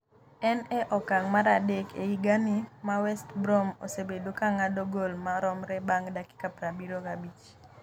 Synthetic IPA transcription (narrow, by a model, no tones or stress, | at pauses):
ɛnɛʔɔkaŋmaɾadekʰḛiɡanimawɛstbɾomo̰sebedokaŋadoɡolmaɾɔmɾɛbaŋdakɪ̥kapɾabiɾokabit͡ʃ